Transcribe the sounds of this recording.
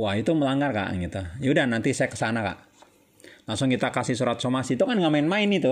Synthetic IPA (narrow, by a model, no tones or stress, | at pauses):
wahit̪uməlaŋɡarka̰ʔŋɡit̪ajudanant̪isajakə̥sanaka̰ʔ | laŋsʊŋkit̪akasihsuɾat̪̚somasit̪ukanɡaʔmaɪnmaɪnit̪u